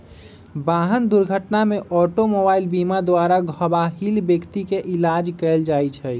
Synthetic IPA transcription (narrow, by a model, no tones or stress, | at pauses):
baɦənd̪uɾɡʱəʈnameʔɔʈomobailbimad̪waɾaɡʱəbaɦilbjəkt̪ikeʔilad͡ʒkɛld͡ʒajt͡ʃʰɛ